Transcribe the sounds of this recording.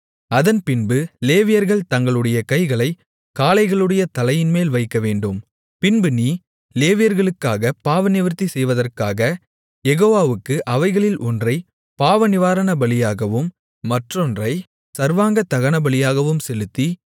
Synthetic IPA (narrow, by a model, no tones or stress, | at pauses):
ɐðɐnpɪnbɯleːʋɪjɐɾɣɐɭt̪ɐŋɡɐɭɯɽɐjɐkɐɪɣɐɭɐɪ | kaːlɐɪɣɐɭɯɽɐjɐt̪ɐlɐjɪnmeːlʋɐɪkːɐʋeːɳɖɯm | pɪnbɯniː | leːʋɪjɐɾɣɐɭɯkːaːɣɐpaːʋɐnɪʋɐɾt̪ːisɛjʋɐðɐrkaːɣɐ | jɛɣoːʋaːʋɯkːɯʔɐʋɐɪɣɐɭɪlʔɔndrɐɪ | paːʋɐnɪʋaːɾɐɳɐbɐɭɪjaːɣɐʋɯmː | ɐʈrɔndrɐɪ | sɐɾʋaːŋɡɐt̪ɐɣɐɳɐbɐɭɪjaːɣɐʋɯmsɛlɯt̪ːi